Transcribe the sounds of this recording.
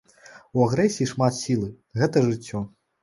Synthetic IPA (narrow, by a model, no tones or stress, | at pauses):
uaɣɾɛsʲiːiʂmat̪sʲilˠɨ | ɣɛt̪ɐʐɨt͡sʲːɔ